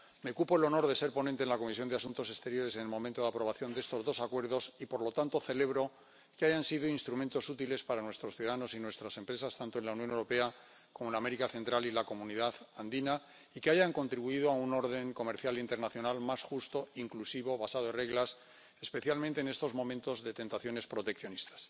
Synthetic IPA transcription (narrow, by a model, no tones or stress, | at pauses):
meokupoelo̞no̞ɾðe̞se̞ɾpo̞nẽnt̪enlako̞mis̬jo̞nd̪easunt̪o̞se̞st̪e̞ɾjo̞ɾe̞s̬enelmõ̞mẽnt̪o̞ðeapɾo̞β̞aθjo̞nd̪ee̞st̪o̞zðo̞sakwe̞ɾð̞osipo̞ɾlo̞t̪ant̪o̞θe̞le̞βɾo̞ | keaʝansiðoinst̪ɾumẽnt̪o̞sut̪ile̞spaɾanwe̞st̪ɾo̞sθjuðaðano̞sinwe̞st̪ɾase̞mpɾe̞sast̪ant̪onlaunjõnewɾo̞pe̞a | ko̞molame̞ɾikaθe̞nt̪ɾalilako̞mũniðaðand̪ina | ikeaʝaŋko̞nt̪ɾiβuið̞oauno̞ɾð̞e̞ŋko̞me̞ɾθjalint̪e̞ɾnaθjo̞nalmasxust̪oiŋklusiβo̞βasaðoenre̞ɣlas | e̞spe̞θjalmẽnt̪eːne̞st̪o̞zmo̞mẽnt̪o̞zðe̞t̪e̞nt̪aθjo̞ne̞spɾo̞t̪e̞k̚θjo̞nist̪ḁs